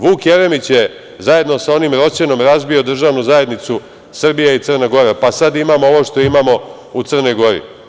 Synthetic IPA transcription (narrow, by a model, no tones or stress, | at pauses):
ʋuːkjeɾemit͡ɕje | zaje̞d̪no̞sao̞nimɾo̞t͡ɕe̞no̞mɾazbio̞d̪r̩ʒaʋnuzaje̞d̪nit̪su | sr̩bijeit̪sɨr̩naɡo̞ɾapasad̪imamoo̞ʋo̞ʃt̪o̞imamo̞ | ut̪sr̩no̞jɡo̞ɾḭ